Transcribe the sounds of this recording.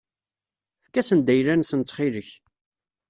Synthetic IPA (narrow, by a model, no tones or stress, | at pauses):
fkːæsənd̪æjlænsənt͡s̪ːχiləç